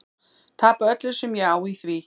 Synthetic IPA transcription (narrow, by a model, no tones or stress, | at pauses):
t̪ʰaːpaœt̪lʏ̥sɛmjɛaːwiθvi